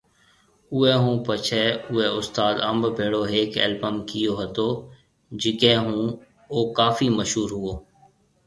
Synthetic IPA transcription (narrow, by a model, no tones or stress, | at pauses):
ʊɛːɦũːpət͡ʃʰɛːʊɛːʊst̪aːd̪əmbbʱeːɽoːɦeːkɛ̰ːlbəmkɪjoːɦət̪oː | d͡ʒɪkẽːɦũː | oːkaːfiːməʃɦuːɾɦʊoː